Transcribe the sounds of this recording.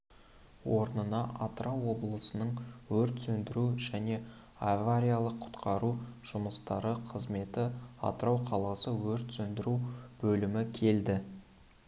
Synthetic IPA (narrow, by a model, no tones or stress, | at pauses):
wo̞ɾənənɑʔat̪ɾʔɑwːo̞blˠəsənəɴwɵɾt̪sɵnd̪ɪɾuʒæne̞ | avaɾʲijalˠəqʰːʊ̥t̪qʰɑɾuʒ̥ʊməst̪ɑɾəqʰəzme̞t̪ɪɑ̰t̪əɾɑwqʰɑlˠɑsəwɵɾt̪sɵnd̪ɪɾub̥ɵlɪmɪkʲʰe̞ld̪ɪ